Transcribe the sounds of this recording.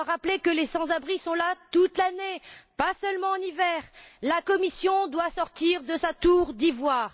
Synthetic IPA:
ʁaplekəlesɑ̃zabʁisɔ̃lat̪ut̪lanepasœlmɑ̃ɑ̃nivɛʁlakɔmisjɔ̃d̪wasɔʁt̪iʁd̪əsat̪uʁd̪ivwaːʁ

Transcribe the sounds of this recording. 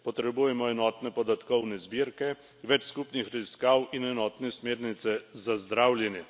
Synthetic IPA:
pɔt̪ɾɛbujɛmɔɛnɔt̪nɛpɔd̪at̪kɔwnɛzbiɾkɛ | ʋɛt͡ʃskupnixɾaziskawinɛnɔːt̪nɛsmeːɾnit̪sɛzazd̪ɾaːwljɛnjɛ

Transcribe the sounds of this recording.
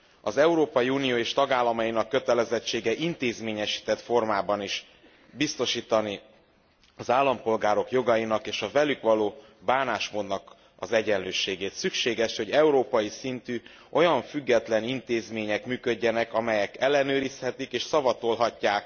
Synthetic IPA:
ɒzɛuɾoːpɒjiuːnijoːeːʃt̪ɒɡaːlːɒmɒjinɒkːø̞t̪ɛlɛzɛt͡ʃːeːɡɛʔint̪eːzmeːɲɛʃi̥ːt̪ɛt̪fo̞rmaːbɒniʃ | bist̪o̞ʃiːt̪ɒni | ɒzaːlːɒmpo̞lɡaːɾo̞kjo̞ɡɒjinɒkeːʃɒvɛlykʋɒloː | baːnaːʃmoːd̪nɒk | ɒzɛɟɛnløːʃeːɡeːt̪sykʃeːɡɛʃho̞ɟɛuɾoːpɒjisint̪yː | ʔo̞jɒɱfyɡːɛt̪lɛnint̪eːzmeːɲɛkmyːkø̞ɟːɛnɛkɒmɛjɛkɛlːɛnøːɾishɛt̪ikeːʃsɒvɒt̪o̞lɦɒcːaːk

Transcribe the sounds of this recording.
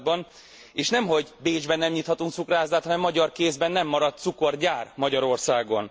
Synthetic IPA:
bɒn | eːʃnɛmɦo̞ɟbeːd͡ʒbɛnːɛmɲiːt̪hɒt̪uŋk̪sukraːzaːt̪hɒnɛmːɒɟɒrkeːzbɛnːɛmːɒɾɒt̪̚t̪suko̞rɟaːrmɒɟɒɾo̞rsaːɡo̞n

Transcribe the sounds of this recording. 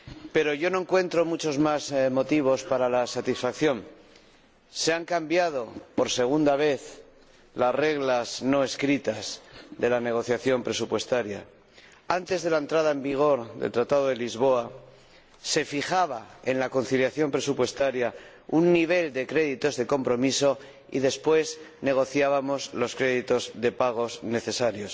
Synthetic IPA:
pe̞ɾo̞ʝo̞no̞eŋkwe̞nt̪ɾo̞mut͡ʃo̞zmazmo̞t̪iβ̞o̞spaɾalasat̪isfakθjo̞m | se̞aŋkambjað̞o̞po̞ɾse̞ɣ̞und̪aβ̞e̞θ | lasre̞ɣlazno̞e̞skɾit̪azðe̞lane̞ɣ̞o̞θjaθjo̞mpɾe̞supwe̞st̪aɾja | ant̪e̞zðe̞lae̞nt̪ɾaðae̞mbiɣ̞o̞ɾðe̞̰lt̪ɾat̪aðoðe̞lizβo̞a | se̞fixaβae̞nlako̞nθiljaθjo̞mpɾe̞supwe̞st̪aɾja | unːiβ̞e̞ld̪e̞kɾe̞ðit̪o̞zðe̞ko̞mpɾo̞miso̞ | ḭðe̞spwe̞zne̞ɣ̞o̞θjaβamo̞zlo̞skɾe̞ðit̪o̞zðe̞paɣ̞o̞zne̞θe̞saɾjo̞s

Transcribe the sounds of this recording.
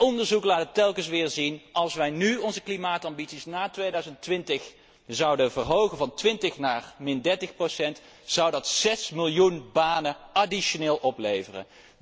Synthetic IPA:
ɔndəɹzuklaːtətɛlˠkəns̬ʋɪːɹzinʔɑlˠsʋɛjnyɔnzəklimaːtɑmbitsisnaːtʋejdœɥzəntʋɪntəχ | əzɑwdənvərɦowχənvɑntʋɪntəχnaːrmɪndɛɹtəχprosɛnt | sɑwdɑtsɛsmɪlˠjunbaːnəadiʃoneːlˠʔɔplejvərə̰

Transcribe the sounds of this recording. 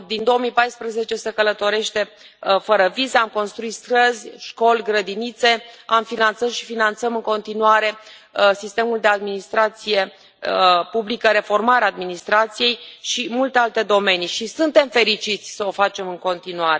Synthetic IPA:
d̪ind̪o̞omipajspɾəze̞t͡ʃe̞se̞kələt̪o̞ɾe̞ʃt̪e̞ | fəɾəvizeamko̞nst̪ɾuit̪st̪ɾəzʲʃko̞lʲɡɾəd̪init̪se̞amfinant̪səmʃi̥finant̪səmɨŋko̞nt̪inuaɾe̞ | sist̪e̞muld̪e̞ad̪minist̪ɾat̪sije̞ | publikəɾe̞fo̞rmaɾeaːd̪minist̪ɾat̪sije̞jʃimult̪ealt̪e̞d̪o̞me̞niʃisɨnt̪e̞mfe̞ɾit͡ʃit̪sʲsəo̞fat͡ʃe̞mɨŋko̞nt̪inuaɾe

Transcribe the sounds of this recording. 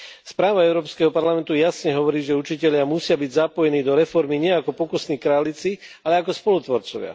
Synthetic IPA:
spɾaːʋaɛʊɾɔːpskɛɦɔpaɾlamɛnt̪ujasɲɛɦɔʋɔɾiːʒɛut͡ʃicɛʎɪamusɪabiɟzapɔjɛniːd̪ɔɾɛfɔɾmiɲɪɛakɔpɔkusniːkɾaːlit͡sialɛakɔspɔlut̪ʋɔɾt͡sɔʋɪa̰

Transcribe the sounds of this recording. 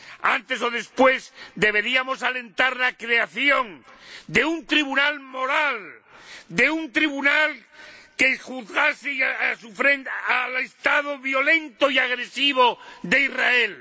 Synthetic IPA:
a̰nt̪e̞so̞ðe̞spwe̞zd̪e̞β̞e̞ɾiamo̞sale̞nt̪aɾlakɾe̞aθjo̞ŋd̪e̞unt̪ɾiβunalmo̞ɾal | d̪e̞unt̪ɾiβunalke̞xuðɣaseaasufɾenalest̪að̞oβjo̞lẽ̞nt̪oiaɣ̞ɾe̞siβ̞o̞ðe̞irae̞l

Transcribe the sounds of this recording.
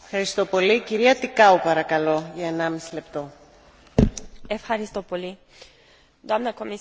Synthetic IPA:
efxɐɾist̪o̞po̞liciɾiɐt̪ikɐupɐɾɐkɐlo̞ʝɐe̞nɐmisile̞pt̪o̞ | efxɐɾist̪opoli | d̪amnɐkomi

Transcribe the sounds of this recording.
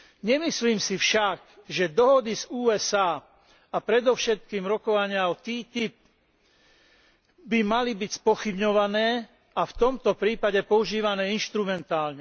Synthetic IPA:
ɲɛmisliːmsifʃaɡʒɛd̪ɔɦɔd̪izuːɛsaː | apɾɛd̪ɔʊʃɛt̪̚kiːmɾɔkɔʋaɲɪaɔt̪iːt̪ip̚ | bimalibicspɔxibɲɔʋanɛː | aft̪ɔmt̪ɔpɾiːpaɟɛpɔuʒiːʋanɛːinʃt̪ɾumɛnt̪aːlɲɛ

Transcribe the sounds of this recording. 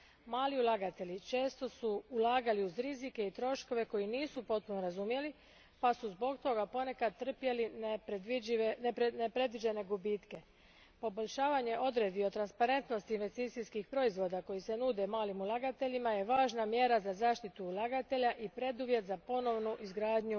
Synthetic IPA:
maːliulˠaɡat̪e̞ʎit͡ʃe̞ːst̪o̞suulˠaːɡaliuzɾizike̞it̪ɾo̞ʃko̞ʋe̞ko̞jiniːsupo̞t̪̚punoɾazumje̞li | pasuzbo̞ɡt̪o̞ɡapo̞ne̞kad̪̚t̪ːr̩pje̞linepd̪iinpnepɾe̞d̪ʋid͡ʒe̞ne̞ɡubit̪ke̞ | po̞bo̞ʎʲʃaːʋaɲe̞ʔo̞d̪ɾe̞d̪io̞t̪ɾanspaɾe̞nt̪no̞st̪iinʋe̞st̪it̪siskixpɾo̞izʋo̞d̪ako̞jise̞nuːd̪emaːlimulˠaɡat̪e̞ʎimaje̞ʋaːʒnamje̞ɾazazaːʃt̪it̪uːlˠaɡat̪e̞ʎaʔipɾe̞d̪uʋje̞t̪zapo̞no̞ʋnuʔizɡɾaːd̪ɲu

